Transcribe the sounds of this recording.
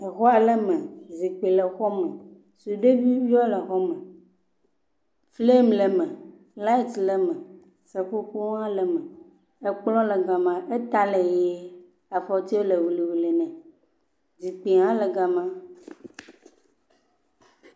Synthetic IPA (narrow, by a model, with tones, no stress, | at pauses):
ɛ˨xɔ˦a˨lɛ˦mɛ̃˨zi˨k͡pe˨lɛ˨xɔ˦mɛ̃˨ | su˨ɖe˦vi˦vi˦ɔ˦lə˨xɔ˦mɛ̃˨ | fle˦mlɛ˨mɛ̃˨ | la˦i˦t̪lɛ˨mɛ̃˨ | sɛ˨ɸo˦ku˦ŋ˦ã˦lɛ˨mɛ̃˨ | e˦k͡plɔ̃˦lɛ˨ɡa˨mã˨ʔe˦t̪a˦le˨je˦ | a˨fɔ˦t̪i˦o˦le˨wu˨li˨wu˨le˨nɛ̃˨ | d͡zi˨k͡pe˨ŋã˦lə˨ɡa˨mã˦